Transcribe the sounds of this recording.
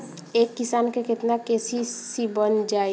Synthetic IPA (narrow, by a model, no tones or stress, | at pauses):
ekːisankeket̪nakesisibənd͡ʒa